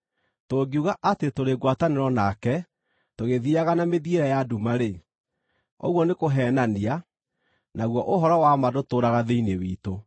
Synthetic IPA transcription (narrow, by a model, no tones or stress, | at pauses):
toɡiuɣaʔatetoɾeɡwataneɾɔnakɛ | toɣeðiaɣanameðieɾɛjadumaɾe | ɔ̰ɣwɔnekoɦɛːnania | naɣwɔʔoɦɔɾɔwamadotoːɾaɣaðeinewiːto